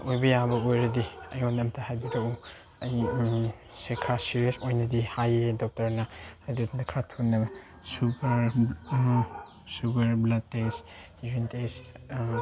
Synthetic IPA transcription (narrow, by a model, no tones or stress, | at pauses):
ojbɐjabɐojɾɐdiɐjonɐmtʰɐhajbidɐu | ɐj | sekʰɾasiɾiesojnɐdihajedɔk̚tɐɾnɐhajdotʰndɐkʰɾatʰunːɐb | supɐɾ | suɡɐɾblɐd̚tes | ɾintes